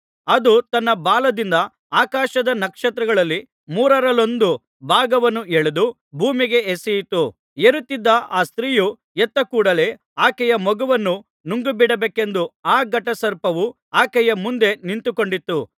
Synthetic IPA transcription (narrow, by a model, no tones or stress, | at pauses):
ɐd̪ut̪ɐnːɐbaːlɐd̪ind̪ɐ | aːkaːʃɐd̪ɐnɐkʂɐt̪ɾɐɡɐɭɐlːi | muːɾɐɾɐlo̞nd̪u | bʱaːɡɐʋɐnːueɭed̪u | bʱuːmiɡe̞esɛjit̪ːu | eɾut̪ːid̪ːɐʔaːst̪ɾiːju | et̪ːɐkuːɽɐle̞ː | aːkɛjɐmɔɡuʋɐnːu | nuŋɡubiɽɐbeːke̞nd̪uaːɡɐʈɐsɐɾpɐʋu | aːkɛjɐmund̪e̞nint̪uko̞ɳɖit̪ːu